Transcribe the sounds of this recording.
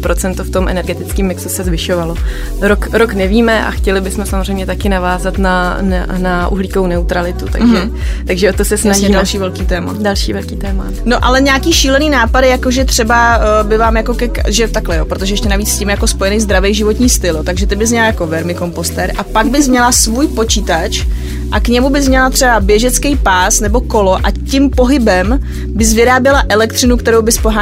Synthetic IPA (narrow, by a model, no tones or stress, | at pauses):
pɾot͡sɛnt̪oft̪o̞mʔɛ̰nɛɾɡɛt̪ɪt͡skiːmːɪksusɛzvɪʃovalo | ɾokɾoknɛviːmɛʔa̰xcɛlɪbɪsmɛsamorɛjmɲɛt̪akɪnavaːzat̪nana̰naʔṵɦliːkownɛut̪ɾalɪt̪ut̪a̰ɡʒɛ | t̪aɡʒɛʔot̪osɛsnaʒimdalʃiːvɛlkiːt̪ɛːmadalʃḭːvɛlkiːt̪ɛːma̰ | noʔalɛɲaːkiːʃiːlɛniːnaːpadɪjakoʒɛt̪r̝̥ɛbabɪvaːmjako̞kɛkʒɛt̪aklɛjoːpɾot̪oʒɛjɛʃcɛnaviːt͡sscimjako̞spo̞jɛnɛjzd̪ɾavɛjʒɪvo̞t̪ɲiːst̪ɪlt̪aɡʒɛt̪ɪbɪzmɲɛlajako̞vɛɾmɪko̞mpo̞st̪ɛːɾʔapaɡ̚bɪzmɲɛlasvuːjpo̞t͡ʃiːt̪at͡ʃ | ʔakɲɛmubɪzmɲɛlat̪r̥ɛbabjɛʒɛt͡skɛjpaːsnɛbo̞ko̞lo̞ʔacɪmpo̞ɦɪbɛm | bɪzvɪɾaːbjɛlaʔɛlɛkt̪r̥ɪnukt̪ɛɾowbɪspoɦa